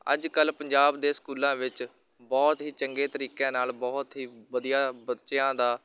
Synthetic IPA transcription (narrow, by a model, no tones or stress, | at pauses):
ə̰d͡ʒkəlpəɲd͡ʒaːbd̪eːskuːlãːʋɪt͡ʃ | bɔːt̪ɦiːt͡ʃəŋɡeːt̪əɾiːkãːnaːlbɔːt̪ɦiːʋəd̪ijaːbətːʃjãːd̪aː